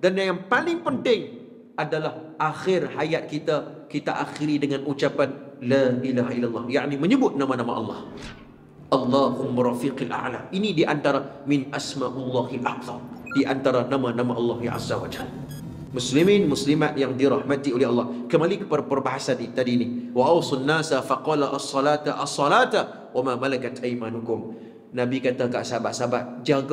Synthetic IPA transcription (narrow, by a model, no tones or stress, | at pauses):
danjajaŋpalɪŋpənt̪ɪŋ | ʔadalahʔaxɪrhajat̪̚kit̪akit̪aʔaxiɾidəŋanʔut͡ʃapanlaʔilaɦaʔilːalːɑhjaʔniməɲəbʊt̪̚nãmanama̰ʔɑ̰lˤːɑ̰h | ʔɑlːɑhʊmːuɾafiqalʔa̰ʔlaʔinidiʔant̪aɾamɪnʔasmaʔʊlˤːahalʔa̰htɑmdiʔant̪aɾanamanamaʔɑlːɑɦʔa̰zːawad͡ʒal | mʊslimɪnmʊslimat̪jaŋdiɾɑhmat̪iolɛhɑlːɑhkəmalikə̥padapərbaɦasanit̪adiniwaʔɑwsˤɑnːaːsafɑqɑːlaʔɑsˤːɑlaːt̪aʔɑsˤːɑlaːt̪a | wamamalakat̪ʔajmanukʊm | nabikat̪aɡa̰ʔsabaʔsabaʔd͡ʒaɡ